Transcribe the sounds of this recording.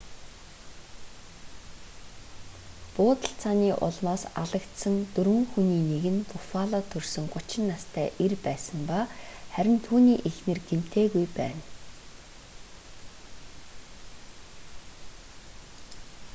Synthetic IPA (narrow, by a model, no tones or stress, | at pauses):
pʊːt̪ə̆ɬt͡sʰaniːʔʊ̰ɮmaːsaɮə̆kt̪sə̆ŋt̪ɵɾwɘ̆ŋxuniːneɣɘ̆np̪ʰʊfaːɮaːt̪ʰɵrsɵ̆ŋɢʊt͡ɕɪ̆nːast̪ʰæːʔerpæːsə̆mpaχæɾʲɪ̆nt̪ʰuːniːʔexnɘ̆rɡ̥em̥t̪ʰeːɣujpæ̰ːn